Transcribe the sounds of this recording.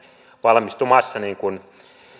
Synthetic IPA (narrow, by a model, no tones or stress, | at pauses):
ʋɑlmist̪umɑsːɑniːŋkun